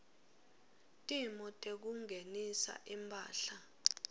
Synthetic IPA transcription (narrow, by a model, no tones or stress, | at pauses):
tʼimɔtʼek̬uŋʱenisa̰ʔimpʰʼa̰ːɬa